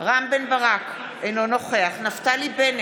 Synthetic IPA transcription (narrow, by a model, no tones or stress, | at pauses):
ʁambenbaʁak | ejnonoχeaχnaftaliben